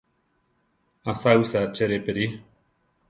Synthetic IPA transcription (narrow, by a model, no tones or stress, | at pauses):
asausat͡ʃeɾepeɾi